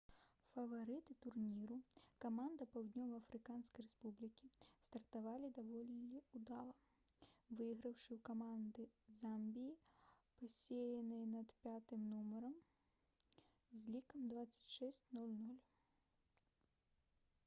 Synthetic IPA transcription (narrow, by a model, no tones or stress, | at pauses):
fɐvaɾɨt̪ɨt̪urnʲiɾukamand̪ɐpawd̪ʲnʲɔvɐɐfɾɨkanskɐjrɛspublʲikʲist̪ɐrt̪avalʲid̪avɔlʲːiud̪alˠɐ | vɨjɣɾɐwʂɨwkamand̪ɨzambʲijipasʲejɐnɨjɐnɐt̪pʲat̪ɨmnumɐɾɐm | zʲlʲikɐmd̪vat̪sːɐ̥t͡sʲʂɛsʲt͡sʲnulʲnulʲ